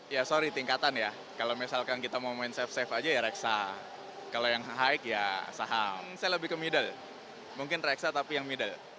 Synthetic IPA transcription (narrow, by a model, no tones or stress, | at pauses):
jasoɾit̪iŋkat̪anja | kalomisalkankit̪amomoɪnsɛfsɛfad͡ʒajaɾɛksa | kalojaŋɦaɪkjasaɦamsajaləbɪhkəmidal | muŋkɪnreksat̪apijaŋmidal